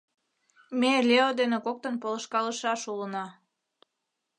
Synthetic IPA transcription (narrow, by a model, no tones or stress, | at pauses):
melʲeod̪enekok̚t̪ənpoləʃkɑləʃɑʃulənɑ